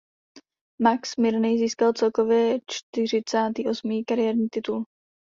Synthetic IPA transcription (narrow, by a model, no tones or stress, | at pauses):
maksmɪɾnɛjziːskalt͡sɛlko̞vjɛt͡ʃt̪ɪr̝ɪt͡saːt̪iːʔo̞smiːkaɾɪjɛːɾɲiːt̪ɪt̪ul